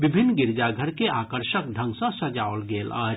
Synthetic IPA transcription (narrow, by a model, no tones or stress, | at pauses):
ʋɪbʱɪnːɡɪɾd͡ʒaɡʱəɾkeaːkəɾʃək̚ɖʱə̃ŋɡsə̃sɐd͡ʒaːʋəlɡeːla̰ː